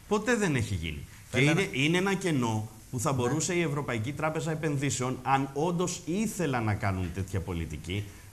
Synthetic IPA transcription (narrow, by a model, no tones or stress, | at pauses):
po̞t̪e̞ðe̞ne̞çiʝḭnḭ | ceieineenɐce̞no̞ | puθɐbo̞ɾuse̞ie̞vɾo̞pɐicit̪ɾɐpe̞zɐepe̞nðise̞o̞nɐno̞nd̪o̞siθe̞lɐnɐkɐnunt̪e̞t̪çɐpo̞lit̪ici